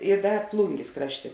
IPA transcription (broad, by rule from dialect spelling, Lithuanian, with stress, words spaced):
ɪ ˈdɐ ˈplˠʊŋʲɡʲeːs ˈkrɑːʃʲˌtʲeː